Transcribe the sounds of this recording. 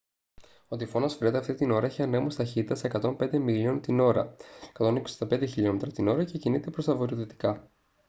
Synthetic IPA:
ot̪ifo̞nɐsfɾet̪eɐft̪it̪ino̞ɾɐeçiɐnemost̪ɐçit̪it̪ɐsekɐt̪o̞mpe̞nd̪e̞miliont̪ino̞ɾɐ̰e̥kɐt̪o̞nikossd̪ɐpe̞nd̪eçiʎo̞met̪ɾɐt̪ino̞ɾɐce̞cinit̪e̞pɾo̞st̪ɐvo̞ɾioðet̪i̥kɐ

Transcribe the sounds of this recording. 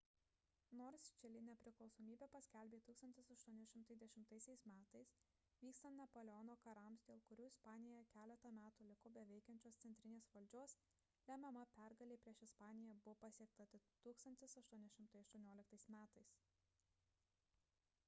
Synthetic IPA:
noːɾst͡ʃʲɛlʲɪnʲɛpʲɾʲɪklˠɒʊsoːmʲiːbʲɛpɐsʲkʲɛlʲbʲeːt̪uːkst̪ɐnʲt̪ʲɪsɐʃt̪uɔnʲɛʃʲɪmt̪ɐɪzd̪ʲɛʃʲɪmt̪ɐɪsʲɛɪsmʲæːt̪ɐɪs | ʋʲiːkst̪ɐnt̪nʲɛpoːlʲɛɔnoːkɐɾɐmsd̪ʲeːlˠkʊɾʲuːɪspɑːnʲɪjojɛkʲæːlʲɛt̪ɐmʲæːt̪uːlʲɪkʊbʲɛʋʲɛɪkʲɛnʲt͡ʃʲoːssʲɛnʲt̪ʲɾʲɪnʲeːsʋɐlʲd͡ʒʲoɔs | lʲɛmʲɛmɐpʲæɾɡɐlʲeːpʲɾʲiɛʃɪspɑːnʲɪjɛbʊpɑsʲiɛk̚t̪ɐt̪ʲɪt̪uːkst̪ɐnʲt̪ʲɪsɐʃt̪uɔnʲɛʃʲɪmt̪ɐɪɐʃt̪uɔnʲoɔlʲɪkt̪ɐɪsmʲæːt̪ɐɪs

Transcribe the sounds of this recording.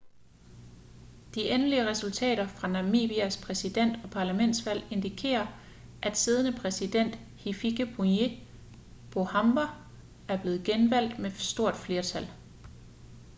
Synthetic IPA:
d̥iʔenliəʁɛsult͡sʰɛ̰ːɾ̥ɐfʁɑ̈nɑ̈mḭb̥iæspʰʁɛsid̥en̰d̥ɒ̽pʰɑ̈ːlæmen̰d̥sʋæl̰e̝nd̥ikʰe̝̰ːɐ | ʔæd̥siːð̞ˠənəpʰʁɛsid̥en̰d̥ | hifiɡ̥əb̥une̝ | b̥o̝hɑmbɐ | æɐb̥le̝ːð̞̩ˠɡ̥enʋæl̰d̥mesd̥o̝ɐ̰d̥fle̝ːɐt͡sʰæl̰

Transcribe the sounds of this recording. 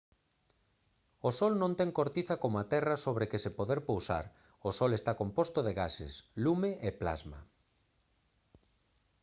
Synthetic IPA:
osɔlnõnt̪ɛŋkoɾt̪iθakomoat̪ɛrasoβ̞ɾekɪsɪpoðɛɾpowsa̰ɾ | osɔlest̪akompost̪oðeɣasḛslumeʔepla̰zma̰

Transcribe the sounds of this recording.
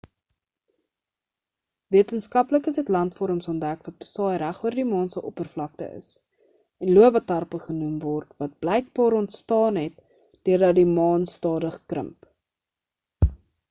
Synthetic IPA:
viətənskɐpləkəsɛtlɐntfɔɾəmsɔntdækvɐt̚b̥ə̥sɑːjɾæχuərdimɑːnsəʔɔpərflɐk̚tə̰ʔə̰s | ɛnluəvɐtɐrpəχənumvɔrtvɐt̚b̥lɛjk̚bɑːɾɔntstɑːnɦɛt̚ | d̥øərdɐdimɑːnstɑːdəχkrə̰mp

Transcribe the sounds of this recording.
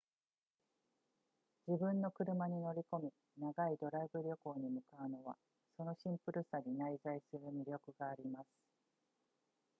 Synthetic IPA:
d͡ʑibɯ̟̃nːo̞kɯ̟ɾɯ̟maɲ̟ino̞ɾʲiko̞mʲi | naɡaid̪o̞ɾaibɯ̟ɾʲo̞ko̞ːɲ̟imɯ̟kaɯ̟no̞βa̰ | so̞no̞ɕĩmpɯ̟ɾɯ̟saɲinaizaisɨɾɯ̟mʲiɾʲo̞kɯ̟ɡaːɾʲimasɨ̥

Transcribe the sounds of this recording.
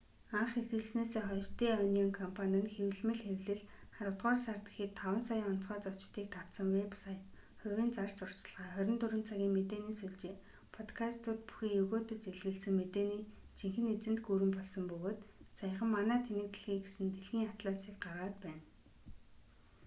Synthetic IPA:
aɴχexɘ̆ɮsneːseːχɔʃt̪eːœnɔːŋkʰɔmpʰanʲə̆nxewɮmɘ̆ɮxewɮɘ̆ɮχaɾə̆wt̪ʁɔːrsart̪ɡĕ̥xiːt̪ʰːawə̆nsajŋɔn̥t͡sχɔːt͡sɔt͡ɕt̪iːk̚t̪ʰaw̥t̪sə̆ŋwepsaj | χʊwʲiːnt͡sar̥st͡sʊr̥t͡ɕɪ̆ɮʁaːχœɾʲɪ̆nt̪ɵɾɘ̆nt͡sʰaɣʲiːŋmet̪eːniːsuɮt͡ɕeː | pʰɔt̪kʰast̪ʊːt̪̚pu̥xiːjɵɣoːt̪ɵ̆t͡seɮɣɘ̆ɮsɘ̆ŋmet̪eːniː | t͡ɕʰiŋxɘ̆net͡sɘ̆nt̪ɡuɾɘ̆mpɔɮsɞ̆mpɵɣoːt̪sajə̆χə̆mːanæːt̪ʰenɘ̆k̚t̪ɘ̆ɮxiːkɡesɘ̆nt̪eɮxiːŋat̪ɮasiːk̚ɢaʁaːt̪pæːn

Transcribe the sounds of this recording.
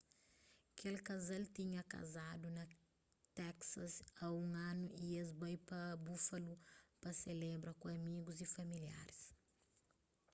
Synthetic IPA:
kʰelkɐzalt̪iɲɐka̰zad̪unɐ | t̪ɛksɐsaũŋɐ̃nuʔiezbajpɐbufɐlupɐselɛbɾɐkũɐmiɡuzifɐmilja̰ɾis

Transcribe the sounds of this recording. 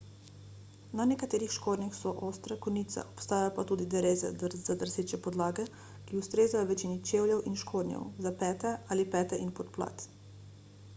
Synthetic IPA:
nanɛkat̪eːɾixʃkoːd̪nʲjaxsɔʔoːst̪ɾɛkɔniːt̪sɛ̰ɔpst̪aːjajɔpat̪uːd̪id̪ɛɾeːzɛ̰zad̪əɾseːt͡ʃɛpɔd̪laːɡɛ | kiust̪ɾeːzajɔʋɛt͡ʃiːnit͡ʃeːwljɛwʔinʃkʰoːd̪njɛ̰wzapɛːt̪ɛaːlipɛːt̪ɛʔinpɔt̪pla̰ːt̪

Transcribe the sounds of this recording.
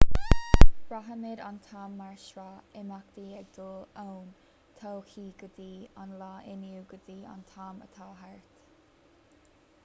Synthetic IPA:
b̥ɹaɦəmɪɾa̰nt̪ʰɑːmːaɹʃɹaɪmakd̪iːɛɡ̚d̪̥oown | t̪ʰowxiːɡ̥əd̪iːanlaːʔɪnjuːɡəd̪iːa̰nt̪ʰɑːmə̰t̪ʰaːɦaɹt̪

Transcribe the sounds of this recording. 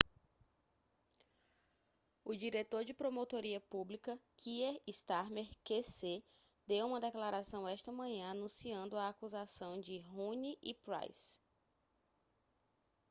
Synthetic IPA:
ʊd͡ʒiɾet̪oɾd͡ʒɪpɾomot̪oɾiɐpublikɐkʰieist̪aɾmeɾkese | d̪ewũmɐd̪ɛklaɾasɐ̃w̃ɛʃt̪ɐmɐ̃ɲɐ̃anũsiɐ̃nd̪ʊaːkuzasɐ̃w̃d͡ʒɪɦũniʔipɾa̰js

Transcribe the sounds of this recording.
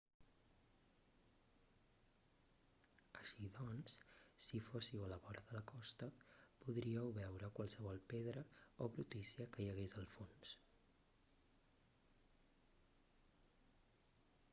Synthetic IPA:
əʃiðɔnssifosiwələβɔɾəðələkɔst̪əpuðɾiəwβɛwɾəkwəlˠsəβɔlˠpeðɾəoβɾut̪isiəkəjəɣezəlˠfons

